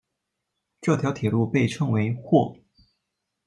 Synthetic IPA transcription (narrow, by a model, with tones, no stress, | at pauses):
ʈ͡ʂɤ˥˩t̪ʰjɑ˧˥ʊt̪ʰjɛ˨˩lu˥˧pe˥˩ɪʈ͡ʂʰɤ˥ŋwe˧˥ɪxwɔ˥˩